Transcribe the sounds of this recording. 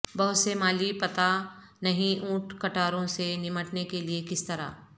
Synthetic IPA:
bɐɦʊt̪semaːlipɐt̪a | nɐɦĩũːʈkɐʈaːɾõsenɪməʈnekeliekɪst̪ɐɾa̰ː

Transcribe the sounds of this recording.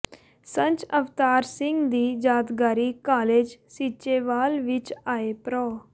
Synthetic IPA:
səɲt͡ʃəʋt̪aːɾsɪ̃ŋɡd̪iːd͡ʒaːt̪ɡaːɾiːkaːleːd͡ʒsiːt͡ʃeːʋaːlʋɪt͡ʃaːeːpɾɔː

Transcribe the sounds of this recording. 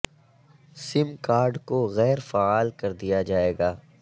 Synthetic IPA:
sɪmkaːɾɖkoɣɛːɾfaaːlkɐɾd̪ijad͡ʒaːeːɡaː

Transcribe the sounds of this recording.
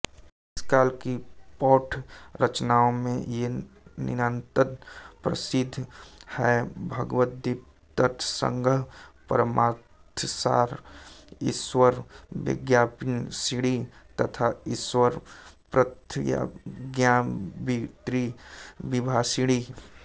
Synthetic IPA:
ɪskaːlkipɔːʈʰɾət͡ʃnaːomẽjenɪ̰ɾə̃nt̪əɾpɾə̰sɪd̪ʱhɛbʱəɡʋət̪̚d̪ip | t̪ət̪ʰsə̰̃ŋɡʱəpəɾəmaːtt̪ʰsa̰ːɾ | ɪ̰swəɾʋɪ̰ɡjapnsiɽit̪ət̪ʰaɪswəɾpɾət̪ʰja̰ɡjabit̪ɾibɪbʱasiɽi

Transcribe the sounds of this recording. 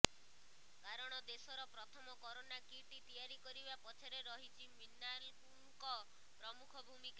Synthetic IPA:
kaɾɔɽ̃ɔd̪esɔɾɔpɾɔt̪ʰɔmɔkɔɾonakiʈit̪ijaɾikɔɾibapɔt͡ʃʰeɾeɾɔɦit͡ʃʰiminːalpuŋkɔ | pɾɔmukʰɔbʱumika

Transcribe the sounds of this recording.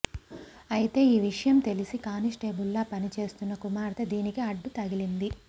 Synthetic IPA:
ɐjit̪e̞ːiːʋiʂɐjɐmt̪e̞lisikaːnisʈe̞ːbulːaːpɐnit͡ʃe̞ːst̪unːɐkumaːɾt̪ʰɐd̪iːnikiɐɖːut̪ɐɡilind̪i

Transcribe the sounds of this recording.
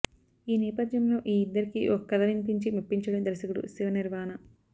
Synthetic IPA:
iːnɛːpɐd̪jɐmlo̞ːʔiːd̪ːɐɾikiʔɔkɐkːɐd̪ɐʋinpiɲt͡ʃimupːiɲt͡ʃɐɽɐmd̪ɾɐsɐkuɽṵsiʋɐniɾʋaːnɐ

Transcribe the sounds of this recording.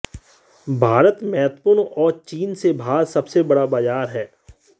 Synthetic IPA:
bʱaːɾət̪mɛːɦt̪pʊɾnɔːɾt͡ʃiːnsebʱaːlsɐbsebɐɽabaːzaːɾɦɛː

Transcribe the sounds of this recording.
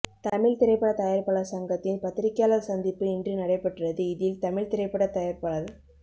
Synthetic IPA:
t̪ɐmɪɭt̪ɪɾɐɪpːɐɽɐt̪ɐjɐɾpɐɭɐsɐŋɡɐt̪ːɪnpɐt̪ːɪɾɪkːjaːlɐlsɐnd̪ɪpːɯɪndrɯnɐɽɐɪpːɛʈːrɐðɯɪðɪlt̪ɐmɪɭt̪ɪɾɐɪpːɐɽɐt̪ːɐjɐɾpɐɭɐl

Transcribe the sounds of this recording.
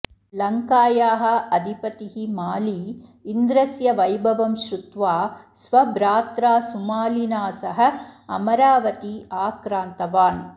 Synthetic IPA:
lɐŋkaːjaːɦɐ̆ɐd̪ʱipɐt̪iɦimaːliːnd̪ɾɐsjɐʋɐjbʱɐʋɐmʃɾut̪ʋaːsʋɐbɾaːt̪ɾaːsumaːlinaːsɐɦɐ̆ɐ̰mɐɾaːʋɐt̪iaːkɾaːnt̪ɐʋaːn

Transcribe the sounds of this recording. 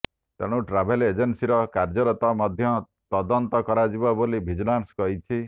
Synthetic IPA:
t̪eɽ̃ũʈɾabʱeled͡ʒensiɾɔkaɾd͡ʒɔɾɔt̪ɔmɔd̪ʱjɔ | t̪ɔd̪ɔnt̪ɔkɔɾad͡ʒibɔbolibʱid͡ʒunanskɔɦit͡ʃʰi

